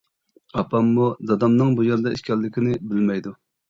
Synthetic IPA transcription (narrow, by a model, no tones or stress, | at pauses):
ɑpʰɑmːud̪ɑd̪ɑmnɨŋbujeɾd̪ɑiʃkʲɛlːɪkʲinɪbɪlmɛjd̪u